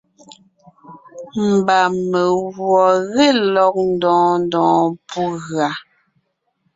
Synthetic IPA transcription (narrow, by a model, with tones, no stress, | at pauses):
m̩˨ba˨me˨ɣwɔ˨ɣe˦˨lɔ˦k̚n̩˦dɔ̃ː˦n˦dɔ̃ː˨˦pu˦ɣa˨